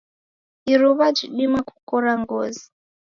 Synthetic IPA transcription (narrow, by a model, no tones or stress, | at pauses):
iɾuβad͡ʒiɗimaku̥kɔɾaŋɡoːzi